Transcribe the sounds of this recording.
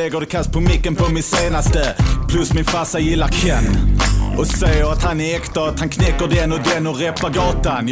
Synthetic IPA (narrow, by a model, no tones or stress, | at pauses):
ɛɡəd̪ɛkʰast̪̚pʰɔmɪkːənpʰɔmɪt̪seːnast̪əpʰlʉsmɪnfasajɪlːakʰɛnːʔɔsæɪəɾat̪haneːkt̪əat̪hankʰnɛkəd̪ɛnɔd̪ɛnɔɾɛpaɡɑːt̪an